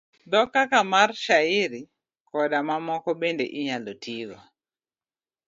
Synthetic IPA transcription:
d̪ɔkakamarʃaiɾi | kɔɗamamɔkɔɓendḛʔiɲalɔtʰiwa̰

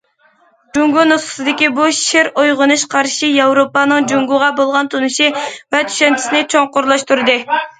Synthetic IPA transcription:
d͡ʒuŋɡunusqə̥sɨd̪ɪkʲibuʃeɾojʁʊnuʃqʰɑɾʃijɑwɾopɑnɨŋd͡ʒuŋɡuʁɑbolˠʁɑnt̪ʰunɨʃivɛt̪ʰy̥ʃɛnt͡ʃʰi̥sɪnɪt͡ʃʰoŋqʊɾlˠɑʃt̪uɾɨd̪ɨ

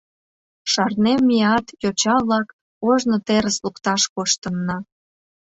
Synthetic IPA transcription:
ʃɑrnemːiɑt̪jot͡ɕɑβlɑk | oʒnot̪eɾəslukt̪ɑʃkoʃt̪ənːɑ

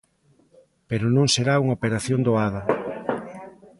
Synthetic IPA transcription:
peɾonõŋseɾauŋopeɾaθjond̪oaðɐ

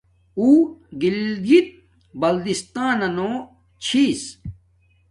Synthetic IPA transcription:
uːɡild̪it̪̚ | bɐld̪ist̪aːnɐnõː | t͡ɕʰiːs

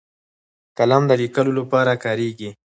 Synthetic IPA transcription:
kalɑmd̪əlikəlolapɑɾakɑɾeɡi

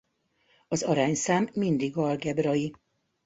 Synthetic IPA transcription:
ɒzɒɾaːɲsaːmːind̪iɡɒlɡɛbrɒji

